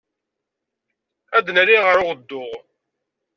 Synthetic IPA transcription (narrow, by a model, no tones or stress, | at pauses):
æd̪nəliʁəɾʊʁəd̪ːʊʁ